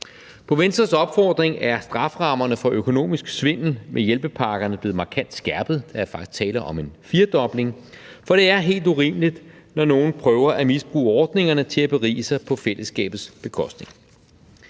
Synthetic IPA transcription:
pʰɒ̽ʋensd̥ɐsɒ̽b̥fɒːd̥ʁeŋæɐsd̥ʁɑ̈fʁɑ̈mɐnəfɒ̽ʔøkʰo̝no̝̰ːmisɡ̥sʋe̝n̰l̩mʔejelb̥əpʰɑ̈ɡ̥ɐnəb̥le̝ːð̩ˠmɑ̈kʰæn̰d̥sɡ̥æɐ̰b̥ð̩ˠd̥ɑ̈æɐfɑ̈ɡ̥i̥st͡sʰɛ̰ːlɐʔɒ̽me̝nfiɐd̥ɒ̽b̥le̝ŋfɒ̽ɾ̥e̝æɐɦe̝̰ːld̥uʁḭːmlid̥nɒno̝ːn̩pʰʁœːʊɐʔæmisb̥ʁṵːɒːd̥ne̝ŋɐnət͡sʰe̝læb̥e̝ʁḭːsɑ̈ɪpʰɒ̽felʔəsːɡ̥ɛ̰ːb̥ð̩ˠsb̥e̝kʰɒ̽sd̥ne̝ŋ

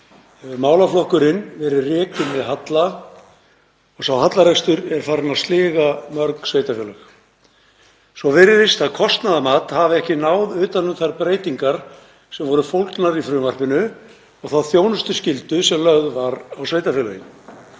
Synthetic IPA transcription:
maːwlaflɔhkʏɾɪnvɛɾʏrɛːkʏnvɛðɦat̪la | ɔɣsawɦat̪laɾɛst̪ʏɾɛɾ̥faɾnast̪lɪːɣamœɾksveːjt̪afjɛːlœx | svɔvɪɾɪðɪst̪aðkʰɔst̪naðamaːt̪havɪɛhcɪnaːwðʏːt̪anʏmθaɾpɾeːjt̪iŋkaɾ̥ | sɛmvɔɾʏfowlt̪naɾifɾʏːmar̥pɪnʏ | ɔɣθaðθjoːwnʏst̪ʏscɪlt̪ʏsɛmlœɣðvaɾawsveːjt̪afɛːlœjɪ

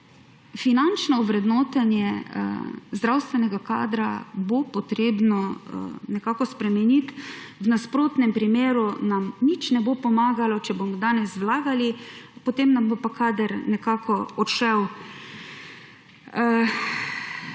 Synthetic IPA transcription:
finant͡ʃnɔuʋɾɛd̪nɔːt̪anjɛ | zd̪ɾawst̪ʋɛnɛɡaka̰ːd̪ɾabopɔt̪ɾeːbnɔnɛkakɔspɾɛmɛnit̪wnaspɾoːt̪nɛmpɾimeːɾunamnit͡ʃnɛbopɔmaːɡalɔt͡ʃɛbomɔd̪aːnɛswlaːɡalipot̪eːmnambopakaːd̪əɾnɛkaːkʰɔɔt̪ʃɛw

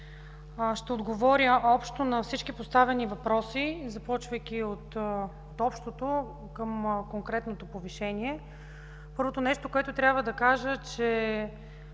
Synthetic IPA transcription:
ʃt̪ɛod̪ɡovɔɾʲjəʔɔpʃt̪onɐfsit͡ʃkipost̪avɛnivɐpɾɔsizɐpɔt͡ʃvəjk̟ʲiot̪ | ot̪ɔpʃt̪ot̪o | kəmkoŋkɾɛt̪not̪opoviʃɛnʲiɛ | pɤɾvot̪onɛʃt̪okoɛt̪ot̪ɾʲabvəd̪ɐkaʒət͡ʃɛ

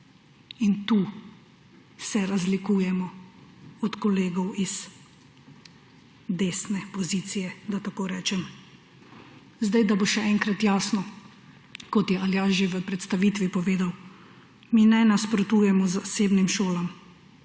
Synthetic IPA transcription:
int̪uː | sɛɾazlikuːjɛmɔ | ɔt̪kɔleːɡɔwiz | d̪eːsnɛpɔziːt̪sijɛd̪at̪akoːɾɛːt͡ʃɛm | zd̪ajd̪aboʃɛɛŋkɾat̪jaːsnɔ | kɔt̪jɛaljaːʒiʋəpɾɛt̪st̪aʋiːt̪ʋipɔʋeːd̪aw | minɛnaspɾɔt̪uːjɛmɔzaseːbnimʃoːlam

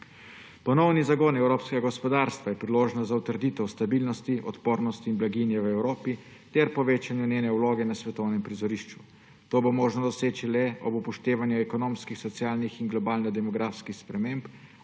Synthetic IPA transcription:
pɔnɔwnizaɡoːnɛwɾoːpskɛɡaɡɔspɔd̪aɾst̪ʋajɛpɾiloːʒnɔzaut̪əɾd̪it̪ɛwst̪abiːlnɔst̪iʔɔt̪poːɾnɔst̪iːnblaɡinjɛwɛwɾoːpi | t̪ɛɾpɔʋeːt͡ʃanjuneːnɛuloːɡɛnasʋɛt̪ɔwnɛmpɾizɔɾiʃt͡ʃu | t̪oːbomoːʒnɔd̪ɔseːt͡ʃilɛɔbupɔʃt̪eːʋanjuɛkɔnoːmskixsɔt̪sjaːlnixinɡlɔbaːlnɛd̪ɛmɔɡɾaːfskixspɾɛmeːmp

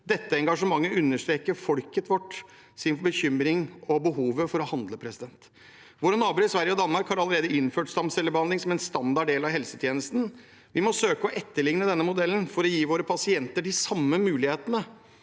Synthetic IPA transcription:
d̪ɛt̪ːəɛŋɡɑʂəmɑŋːəʉnːəʂʈ̪ɾeːkəɾfɔlkət̪ʰʋɔʈː | sɪnbəçʏmɾɪŋɔbəɦuːʋəfɔɾɔhɑnd̪ləpʰɾɛsɪd̪ɛnt̪ | ʋoːɾənɑːbʉːɾɪsʋæɾjəɔd̪ɑnmɑɾkhɑɾɑləɾeːd̪əɪnføːʈst̪ɑmsɛlːəbəhɑnd̪ɪŋsɔmɛnst̪ɑnd̪ɑɖeːlɑʋɦɛlsət̪ʰjeːnəst̪n̩ | ʋɪmɔsøːkəɔʔɛt̪ːəɭɪŋnəd̪ɛnːəmʊd̪ɛlːn̩fɔɾɔjiːʋoːɾəpʰɑsɪɛnt̪əɖɪsɑmːəmʉːlɪheːt̪ənə

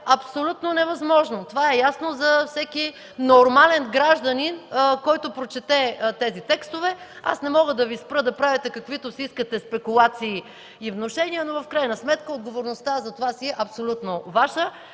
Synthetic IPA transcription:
ɐpsolʲut̪nonɛvɐzmɔʒnot̪ovaɛjasnozɐfsɛki | noɾmalɛnɡɾaʒd̪ɐninkɔjt̪opɾot͡ʃɛt̪ɛt̪ɛzit̪ɛkst̪ovɛ | a̰snɛmɔɡəd̪ɐvispɾɤd̪ɐpɾavʲit̪ɛkɐkvit̪osiiskət̪ɛspɛkulˠat̪siː | ivnoʃɛniənovɐfkɾajnɐsmɛt̪kəod̪ɡovoɾnost̪azɐt̪ovasiɛʔɐpsolʲut̪novaʃə

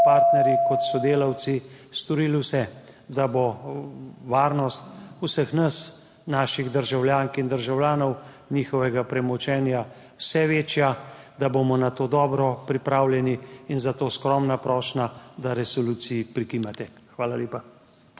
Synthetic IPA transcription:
paɾt̪nɛɾjikɔt̪sɔd̪eːlaw̪sist̪ɔɾiːlwsɛ | d̪abɔ | ʋaːɾnɔst̪usəxnas | naːʃiɣd̪əɾʒawljaːŋkind̪əɾʒawljaːnɔw | niːxɔʋɛɡapɾɛmɔt͡ʃɛːnja | wsɛʋeːt͡ʃjad̪abomɔnat̪oːd̪ɔːbɾɔpɾipɾaːwljɛniːnzat̪oːskɾɔmnapɾɔːʃnad̪aɾɛsɔluːsiipɾikiːmat̪ɛ | xʋaːlaljeːpa

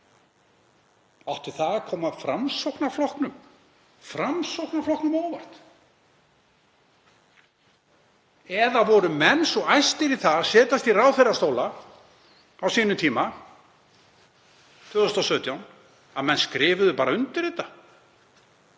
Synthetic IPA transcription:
awht̪ʏ̥θaðakʰɔːmaðfɾamsowknaflɔhknʏm | fɾamsowknaflɔhknʏmɔːwvar̥t̪ | ɛðavɔɾʏmɛnːsɔɣajst̪ɪɾiθaðsɛːt̪ast̪iraːwθejrast̪owla | awsiːnʏmt̪ʰiːma | t̪ʰʏːɣðʏst̪asœːɥt̪jawn | aðmɛnskɾɪːvʏðʏpaːɾaʏnt̪ɪɾ̥ɾɪːt̪a

